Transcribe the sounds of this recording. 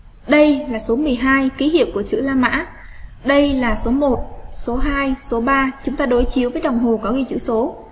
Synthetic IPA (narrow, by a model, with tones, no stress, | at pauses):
ɗə˧jlaː˨˩so˨˦mɨ˨˩əjɦaː˧jki˨˦hḭ˧˨əwku˧˩ət͡ɕɨ̰˧˥laː˧ma̰ː˧˥ | ɗə˧jlaː˨˩so˨˦mo˨˩t̚so˨˦ɦaː˧jso˨˦ɓaː˧t͡ɕʊ˨˦ŋ͡mt̪aː˧ɗo˨˦jt͡ɕi˨˦əwvəː˨˦jɗa˨˩wŋ͡mɦo˨˩kɔ˨˦ɣi˧t͡ɕɨ̰˧˥so˨˦